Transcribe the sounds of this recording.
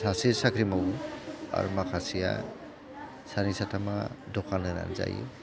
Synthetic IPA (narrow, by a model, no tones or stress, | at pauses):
sasisakʰɾimawa̰ɾmakʰasija̰ | sanisatʰamadɔkʰanɯɾa̰nza̰jṵ